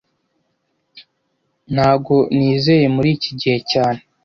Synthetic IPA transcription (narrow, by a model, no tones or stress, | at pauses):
nhaːɡo̞niːze̞je̞muɾiːciɟihe̞caːne